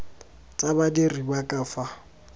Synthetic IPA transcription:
t͡sʼabadiribakʼafa

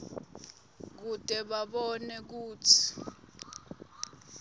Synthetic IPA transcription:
k̬utʼɛɓaɓɔnɛk̬uːtʰi̥

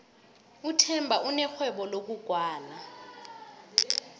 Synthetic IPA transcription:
utʰɛmbʱaʔunɛxwɛɓɔlok̬uɡ̥ʱwaːla

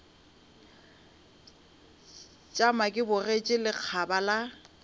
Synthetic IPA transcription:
t͡ʃʼamakʼɪbʊret͡ʃʼɪlɪq͡χʰabala

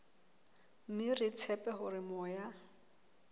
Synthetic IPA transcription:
m̩mɪrɪt͡sʰɛpʼɛɦʊrɪmɔːja

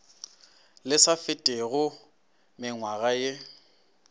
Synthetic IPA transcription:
lɪsafɪtʼeɣʊ | mɪŋwaɣaje

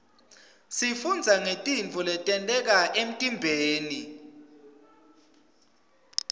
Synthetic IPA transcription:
sifund͡zʱaŋetʼint͡fʰɔlɛtʼɛntʼɛk̬aʔem̩tʼimbʱeːni

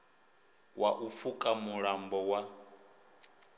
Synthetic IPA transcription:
waʔufukʼamuɺambɔwa

